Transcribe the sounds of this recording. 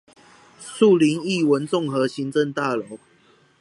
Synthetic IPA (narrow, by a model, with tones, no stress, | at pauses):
su˥˨li˨˦ni˥˨wə˨˦nt͡sʊ˥˨ŋxɤ˨˦ɕi˨˦nt͡sə˥˧nt̪a˥˨˩lo˨˦ʊ